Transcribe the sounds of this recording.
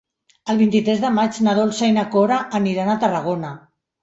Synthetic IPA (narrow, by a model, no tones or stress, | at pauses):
əlˠβint̪it̪ɾɛzðəmad͡ʒnaðolsajnakoɾaʔːniɾanat̪ərəɣ̞ona